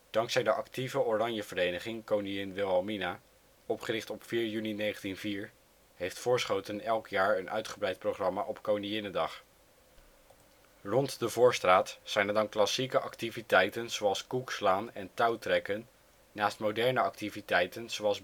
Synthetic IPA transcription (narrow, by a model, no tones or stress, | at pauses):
d̥ɑŋksɛjdəʔɑktivəorɑɲjəvəɾejnəχɪŋkownijɪnʋɪlˠɑlˠmina | ɔpχərɪχtɔpfiːɹjyninejχəntinviːɹ | ɦejftfʊːɹsχowtənɛlˠkjaːɹənʔœ̰ɥtχəbrɛjt̚prowχrɑmaːʔɔpkownijɪnəndɑχ | rɔntdəvʊːɹstraːtsɛjnɛɹdɑnklɑsikəʔɑktivitɛjtənz̥owɑlˠskukslaːnɛntɑwtrɛkənː | aːstmowdɛɹnəɑk̚tivitɛjtənz̥oɑlˠs